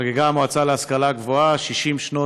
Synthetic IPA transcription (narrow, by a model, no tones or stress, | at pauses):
ɡeɡamoat͡saleaskalaɡvoaʃiʃimʃno